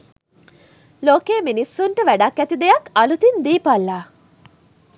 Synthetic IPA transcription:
loːkeːminisːuɳʈəʋæɖɐkːæt̪id̪ejɐkɐlut̪ind̪iːpɐlːaː

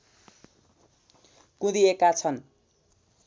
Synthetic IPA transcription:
kũd̪iekat͡sʰʌn

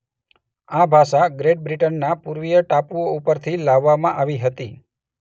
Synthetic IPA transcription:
abʱaʃaɡɾeʈ̚bɾiʈənːapuɾʋijəʈapuoupəɾt̪ʰilaʋːamãʔaʋiɦət̪i

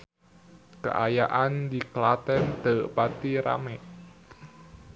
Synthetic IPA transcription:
kə̰ʔajaʔand̪iklat̪ɛnd̪̥ə̤ʔpat̪iɾa̰mɛʔ

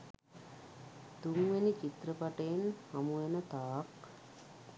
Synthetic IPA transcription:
t̪uŋʋenit͡ʃit̪rəpaʈəjenhamuʋenət̪aːk

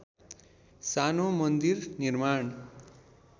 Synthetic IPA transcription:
sanomʌnd̪irnirmaɳ

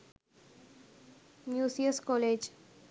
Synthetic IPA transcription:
mjusiəskɔled͡ʑ

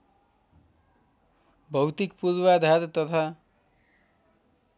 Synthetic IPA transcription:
bʱʌwt̪ikpulwad̪ʱat̪t̪ʌt̪ʰa

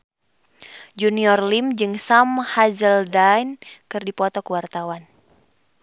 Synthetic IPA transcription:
d͡ʒuniɔrlimd͡ʒɨŋsamhazəldajnkɨrdipɔt̪ɔkəwart̪awan

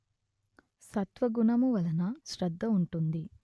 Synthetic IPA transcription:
sɐt̪ʋɐɡuɳɐmuʋɐlɐnɐʃɾɐd̪ʱːɐuɳʈund̪i

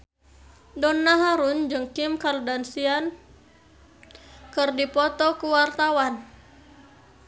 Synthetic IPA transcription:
dɔnːaɦaɾund͡ʒɨŋkimkardansian | kɨrdipɔt̪ɔkuwart̪awan

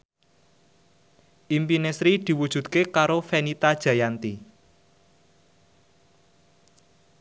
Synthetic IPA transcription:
ʔimpinesɾid̪̥i̤wud̥ʒ̥ṳt̪̚kekaɾofɛnit̪ad̥ʒ̥ä̤jant̪i

